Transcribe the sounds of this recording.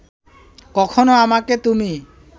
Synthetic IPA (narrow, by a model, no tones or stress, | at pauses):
kɔkʰonoamaket̪umi